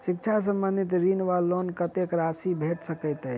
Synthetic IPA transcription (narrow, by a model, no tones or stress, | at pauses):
sik̚t͡ʃʰas̬əmbə̃nd̪ʱit̪ɾinʋalːonkət̪ekɾasibʱeʈsəkəɪt̪əj